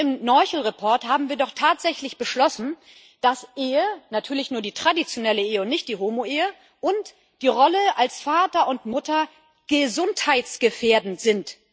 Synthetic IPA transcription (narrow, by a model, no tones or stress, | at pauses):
ɪmnɔʏçl̩ʁepʰɔɐthaːbm̩viːɐdɔχtʰaːtz̥ɛçlɪçb̥əʃlɔsn̩ | d̥asʔeːənatʰyːɐlɪçnuːɐdiːtʁ̥adit͡sjonɛləeːəʊntnɪçt̚d̥iːɦoːmoʔeːə | ʔʊnt | d̥iːʁɔləalsfaːtɐʊntmʊtɐ | ɡ̥əzʊnthaɪtsɡ̥əfeːɐdn̩z̥ɪnt